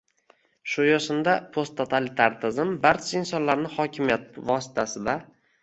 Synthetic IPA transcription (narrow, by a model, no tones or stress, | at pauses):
ʃʊjɒʃɪnd̪apʰost̪ʰːot̪ʰalɪt̪ʰaɾt̪ʰɪzɪmbaɾt͡ʃʰaɪnsɒnlaɾnɪhɒkʲʰɪmijat̪̚vɒsɪ̥t̪ʰasɪd̪a